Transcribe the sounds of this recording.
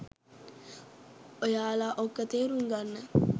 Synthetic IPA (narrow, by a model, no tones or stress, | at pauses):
ojaːlaːʔokːət̪eːɾuŋɡɐnːə